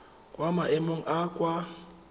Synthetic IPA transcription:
kʼwamaʔemoŋ̩ʔakʼwa

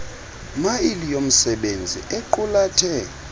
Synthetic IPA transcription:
mailijom̩sɛɓend͡zʱḭʔeǃulatʰɛ

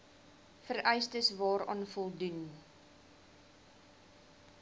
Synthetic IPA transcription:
fəɾʔɛjstəsvɑːɾɑ̰ːnfɔlˠdun

